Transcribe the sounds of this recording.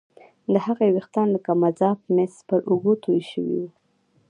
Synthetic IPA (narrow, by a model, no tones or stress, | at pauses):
d̪əhaɣewext̪ɑnlakamazɑp̚mespəɾʔuɡot̪ʰojʃəwḭwu